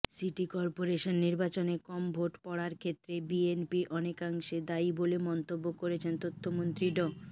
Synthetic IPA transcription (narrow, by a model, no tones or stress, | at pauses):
siʈikɔɾpoɾeʃonːiɾbat͡ɕonekɔmbʱoʈpɔɽaɾkʰet̪ːɾebienpiʔɔnekaŋʃed̪aibolemɔnt̪obːokoɾet͡ɕʰent̪ot̪ʰːomont̪ɾiɖɔ